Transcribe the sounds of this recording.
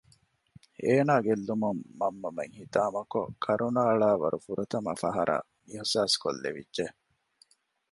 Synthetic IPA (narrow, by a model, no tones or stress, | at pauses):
eːnaːɡelːumɐmːɐmːɐmeŋhit̪aːmɐko̰kʰɐɾunaːɭaːʋɐ̰ɾʔufuɾɐt̪ɐmɐfɐɦɐɾʔɐ̰ | mihsaːsko̰lːḛʋḭdʒe